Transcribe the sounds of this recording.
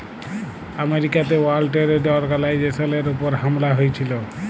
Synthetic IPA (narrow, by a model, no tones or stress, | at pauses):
ameɾikat̪ewalʈeɾeɖɔɾɡalajd͡ʒesɔneɾupɔɾɦamlaɦojt͡ʃʰilo